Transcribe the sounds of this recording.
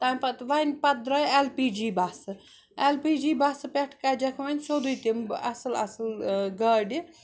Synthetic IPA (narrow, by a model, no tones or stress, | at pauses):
t̪ampɐt̪ʋajnpɐd̪ɾɐjelpiːd͡ʒibasɨ | elpid͡ʒiːbasɨpeʈʰkad͡ʒɐkʰʋanʲsod̪ujt̪imɐsɨlɐ̰sɨlɡɐɖi